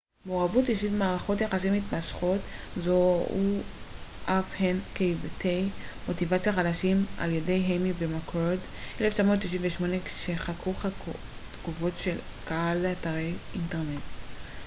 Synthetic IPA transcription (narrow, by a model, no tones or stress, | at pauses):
meoːavutiʃidmaːʁaχo̞t̬jaχasimitmaʃχo̞tzou | ʔafhenkejvtʰejmo̞tivat͡sjaχadaʃimʔa̰ljede̞jɦemibemakʁod | ʔeleft͡ʃamo̞tʃiʃinveʃmo̞neʃeχakʁuχa | tɡ̥uvo̞tʃel | kahalataʁejinteʁnet